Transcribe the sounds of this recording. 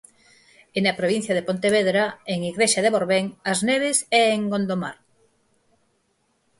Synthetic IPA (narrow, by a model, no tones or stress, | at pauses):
enapɾoβin̟θjað̞epont̪eβeðɾaeŋiɣɾeʃaðeβoɾβeŋazneβesɛːŋɡond̪omaɾ